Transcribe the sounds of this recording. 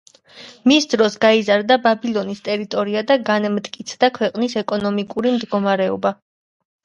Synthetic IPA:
misd̪ɾɔsɡaizaɾd̪ababilˠɔnist̪ʼɛɾit̪ʼɔɾiad̪aɡanmt̪ʼkʼit̪sʰd̪akʰwɛqʼnisɛkʼɔnɔmikʼuɾimd̪ɡɔmaɾɛɔ̰ba

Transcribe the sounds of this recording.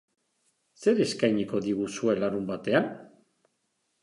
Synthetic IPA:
se̞ɾe̞skajɲiko̞ðiɣusue̞laɾumbat̪e̞an

